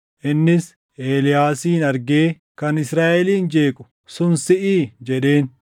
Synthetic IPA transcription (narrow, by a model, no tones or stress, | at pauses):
ʔɪnːɪs | ʔeːlɪjaːsiːnɐɾɡe̞ː | kɐnɪsɾaːʔɛliːnd͡ʒe̞ːkʼʊ̥ | sʊnsɪʔiːd͡ʒɛɗe̞ːn